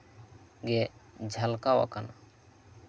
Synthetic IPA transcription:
ɡɛd͡ʒʱəlkawa̰kana

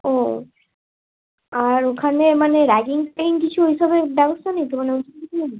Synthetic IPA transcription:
o | aɾokʰanemaneɾaɡiŋpejnkit͡ɕʰuɦiʃabebɛbost̪ʰanejt̪omaneotʰiiilen

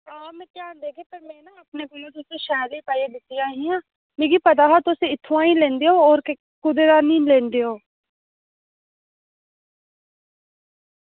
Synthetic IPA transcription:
aːmẽt̪jaːnd̪eːkʰeːpɐɾmɛ̃ːnaɐpneːɡʊjoːt̪ʊseʃɛːlipaːjebɪsijãːɦĩãː | mẽːɡipət̪aːɦat̪oseɪt̪ʰːuãːĩlẽːnd̪eɦoːɾke | kʊd̪eɾaːniːlẽːnd̪eɦoː

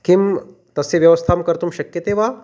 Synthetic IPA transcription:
kim | t̪ɐsːeʋjɐʋɐst̪ʰaːmkɐɾt̪umʃɐkjɐt̪eːʋaː

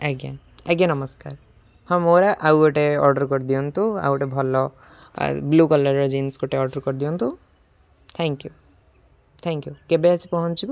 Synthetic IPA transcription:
ɛɡa̰n | ɛɡjanɔmɔskaɾ | hɔ̃moɾaʔawɔʈeɔ̰ɾɖɔɾkɔɾd̪ijɔnt̪ũa̰wɔʈebʱɔlɔ̰ | blukɔlɔɾɔd͡ʒinskoʈeɔɾɖɔɾkɔɾd̪ijɔnt̪u | t̪ʰɛŋkju | t̪ʰɛŋkjukebeasipɔɦɔnt͡ʃʰib

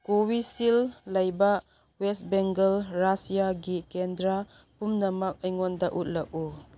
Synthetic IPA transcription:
kowisilːɐjbɐ | westbeŋɡelɾasijaɡikendɾa | pumnɐmɐk̚ɐjŋɔndɐʔut̚lɐk̚u

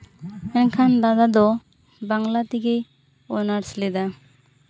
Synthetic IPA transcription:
ɛnkʰand̪ad̪ad̪ɔ | baŋlat̪ikej | ɔnaɾslɛd̪a

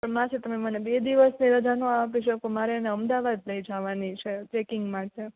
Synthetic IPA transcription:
pəmãt͡ʃʰet̪əmemənebed̪iʋəsniɾəd͡ʒanũapiʃəkomaɾeəneəmd̪aʋad̪̚ləjd͡ʒaʋanit͡ʃʰet͡ʃekɪŋɡmãt͡ʃe

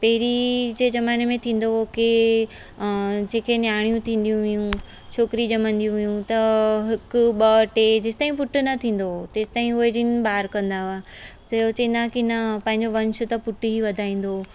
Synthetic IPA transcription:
pɐɦɪɾid͡ʑeːzɐmaːnemẽt̪ʰĩːn̆d̪oke | d͡ʑeːkʰenjaːɽ̃jũt̪ʰĩːn̆d̪ijũʋɪjũ | t͡ɕʰoːkɾid͡ʑɐmə̃nd̪ijũʋɪjũt̪ɐɦɪkʊɓɐʈed͡ʑɪsɪ̥t̪aːĩpʊʈʊnɐt̪ʰĩːn̆d̪ot̪eːsɪ̥t̪aːɦĩʊɦed͡ʑiːnbaːɾkɐ̃nd̪aa | sɐot͡ɕɐĩnd̪akinɐpɐ̃ɦɪ̃ɲd͡ʑoʋɐ̃ɲt͡ɕʊt̪ɐpʊʈɦiʋɐd̪ʱaːĩːn̆d̪o

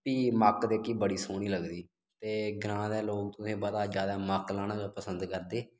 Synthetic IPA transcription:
piːməkd̪eːkiːbəɽiːsoːɽ̃iːləɡd̪iː | t̪eːɡɾãːd̪ɛːloːk̚t̪ʊsẽːbəd̪aːd͡ʒjaːd̪aːmaklaːɽ̃ãːd͡ʒaːpəsənd̪kəɾd̪eː

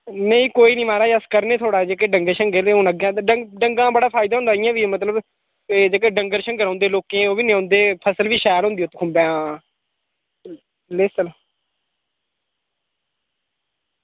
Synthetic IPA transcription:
nəĩːkoːiːnĩːmaːɾaːəskəɾneːt̪ʰoːɽaːd͡ʒeːkeːɖəŋɡəɾʃəŋɡeleːɦõːnəɡjãːɖəɡɖəŋɡãːbəɽaːpʰaːɪd̪aːɦʊ̃nd̪aːɪjãːʋiːmət̪ləb | d͡ʒeːk̬eːɖəŋɡəɾʃəŋɡəɾãːnd̪eːloːkẽːoːʋiːnẽːãːnd̪eːpʰəsəlʋiːʃɛːɾɦʊ̃nd̪ioːt̪ːkʰʊmbãː | leːsəl

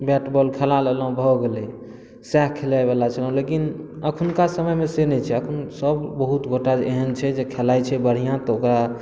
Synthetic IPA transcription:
bɛʈbɔlkʰelaleləɦũbʱɔɡelɛ | sɛkkʰelajbelat͡ʃʰəlũlekin | əkʰənkasəməjmesenɛjt͡ʃʰɛəkʰənsəbbəɦut̪ɡoʈad͡ʒeɦənt͡ʃʰɛd͡ʒekʰelajt͡ʃʰɛbəɽ̤ijãt̪ɔokɾa

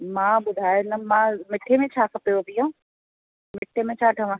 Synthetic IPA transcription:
mãːɓʊd̪ʱaːjonɐmãːmɪʈʰemẽt͡ɕʰaːkʰɐpijobijõ | mɪʈʰːemẽt͡ɕʰaːʈʰɐʋãː

